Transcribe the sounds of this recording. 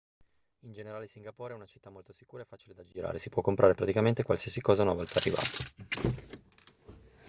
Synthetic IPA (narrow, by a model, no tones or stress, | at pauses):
ind͡ʒeneɾaːlesiŋɡapoːɾeɛunat͡ʃit̪ːamolt̪osikuːɾaefːaːt͡ʃiled̪ad͡ʒiɾa̰ːɾesipwɔkːompɾaːɾepɾat̪ikament̪ekwalsiːasikɔːzaunavɔlt̪aːrːiva̰ːt̪ḁ